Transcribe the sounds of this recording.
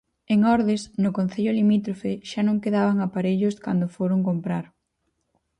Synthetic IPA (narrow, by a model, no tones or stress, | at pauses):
eŋɔɾðesnʊkonθeʎʊlimit̪ɾofeʃanõŋkeðaβaŋapaɾeʎʊska̰nd̪ʊfoɾoŋkompɾaɾ